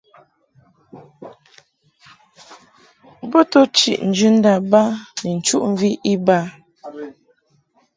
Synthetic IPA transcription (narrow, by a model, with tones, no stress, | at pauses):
bo˦to˦t͡ʃḭ˨ʔn̩˨d͡ʒʉ˦n̩˦da˨ba˦ni˨n̩˨t͡ʃu˦ʔɱ̩˨vi˦ʔi˦ba˦